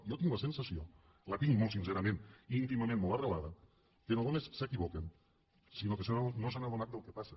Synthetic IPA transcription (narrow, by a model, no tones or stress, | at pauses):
jot̪iŋɡuasensasio | lat̪iŋmolˠtsinseɾamẽniːnt̪imamẽnmolˠt̪arəβaðɐ | kenoðomessəkiβɔken | sinokesenonosanaðunat̪̚əlˠkepase